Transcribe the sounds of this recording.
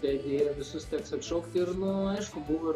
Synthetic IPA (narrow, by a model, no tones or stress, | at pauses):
t̪ʲɛd̪ʲejʋʲɪsʊst̪ʲɛːksɐt̪ʃɐʊkt̪ʲɪrnʊɐɪʃkʊbuʋɐɪ